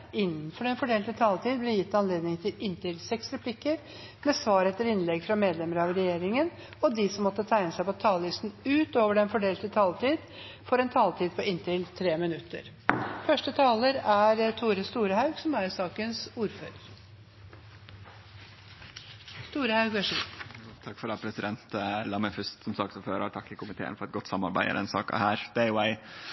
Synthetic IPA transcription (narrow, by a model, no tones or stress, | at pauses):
ɪnːənfɔɾɛnfɔɖeːlt̪ət̪ʰɑːlt̪ʰiːd̪blɛjɪt̪ːɑnleːd̪nɪŋt̪ʰɪlɪnt̪ɪlsɛksɾɛpʰlɪkːəɾ | meːsʋɑːɾɛt̪ːəɾɪnlɛɡfɾɑmeːd̪lɛməɾəɑʋɾɛjeːɾɪŋən | ɔd̪ɪsɔmːɔt̪ːət̪ʰæɪnəsæɪpɔt̪ʰɑːləɪst̪n̩ʉːt̪oːʋəɖɛnfɔɖeːlt̪ət̪ʰɑːlt̪iːd̪ | fɔɾɛnt̪ʰɑːlt̪ʰiːd̪̚pʰɔɪnt̪ɪlt̪ʰɾeːmɪnʉt̪ːə̰ɾ | fœʂʈət̪ʰɑːləɾæɾt̪ʰuːɾəst̪uːɾəhɑʉɡsɔmæɾsɑːkənsuːɾføːɾəɾ | st̪uːɾəhɑʉɡʋəʂit̪ʰɑkːfɔɖ̪ɑpʰɾɛsɪd̪ɛnt̪lɑməfʉst̪sɔmsɑk̚t̪sɔføːɾɑ̰t̪ʰɑkːɪkʰʊmɪt̪ʰḛːənfɔɾɛt̪̚ɡɔt̪ːsɑmɑɾbæ̰ɪə̰d̪ɛ̰nsɑ̰ːkɑ̰hæːɾd̪̥ɛɪwɛɪ